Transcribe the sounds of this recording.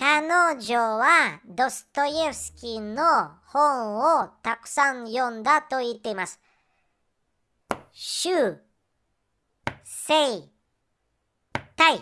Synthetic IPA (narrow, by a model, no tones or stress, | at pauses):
tanoːʑoːβad̪o̞sɨ̥t̪o̞jesɨ̥kʲino | hõɰot̪akɯ̟̥sãɲjõ̞nd̪at̪o̞it̪ːe̞imasɨ̥ | ɕɨː | sei | t̪ai